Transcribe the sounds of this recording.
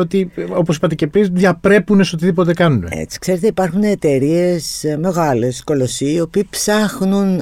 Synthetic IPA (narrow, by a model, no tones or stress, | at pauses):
ot̪io̞posipɐt̪ecepɾizðjɐpɾe̞puneso̞t̪iðipo̞t̪e̞kɐnunḛḛt͡si̥kse̞ɾe̞t̪eipɐɾxuneːt̪eɾie̞sme̞ɣɐle̞sko̞lo̞sioːpiːpsɐxnun